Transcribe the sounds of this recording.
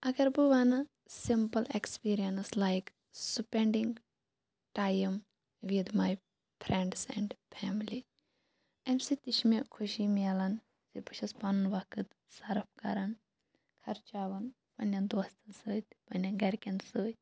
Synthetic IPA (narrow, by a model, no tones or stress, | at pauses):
ɐɡɐɾbuʋanɐ | simpɐlekspiːɾijɐnslajk | supẽɳɖĩŋɡ | ʈajɐm | ʋid̪maj | pʰɾẽɳɖsɛ̃ɳɖfʰɛmili | ɐmsit̪iʃmɐʔkʰuʃimiɐlɐn | sipuʃɐspanunʋakɨt̪ | sɐɾɐp̚ʰkɐɾɐn | kʰɐɾt͡ʃaːʋɐn | pɐnɐnd̪ɔst̪ɐsəːt̪ʲpɐnʲɐnɡɐɾkʲɐnsəːt̪̚ʲ